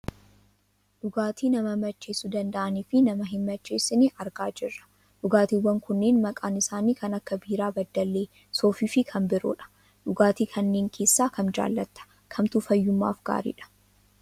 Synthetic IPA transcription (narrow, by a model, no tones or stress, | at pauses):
ᶑʊɡaːt̪ʰiːnɐmɐmɐt͡ʃːeːsud̪ɐnd̪ɐʔɐniːfɪnɐmɐɦɪmːɐt͡ʃːe̞ːsːɪnɪɐɾɡaːd͡ʒɪrːɐ̥ | ᶑʊɡaːt̪iːwːɐŋkʊnːeːnmɐkʼaːnɪsaːniːkɐnɐkːɐbiːɾaːbɐd̪ːɐlːeː | so̞ːfiːfɪkʰɐmbɪɾʊ̰ᶑɐ̥ | ᶑʊɡaːt̪iːkʰɐnːeːŋkʰe̞ːsːaːkɐnd͡ʒa̰ːlːɐt̪ːɐ̥ | kʰɐmt̪ʊfɐjːʊmːa̰ːfɡa̰ːɾḭːᶑɐ̥